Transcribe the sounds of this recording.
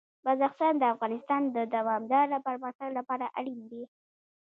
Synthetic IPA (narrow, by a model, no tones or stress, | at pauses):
bazaxsɑnd̪əafɣɑnɪst̪ɑnd̪əd̪awɑmd̪ɑɾlapəɾmaxt̪aɡlapɑɾaʔaɽind̪e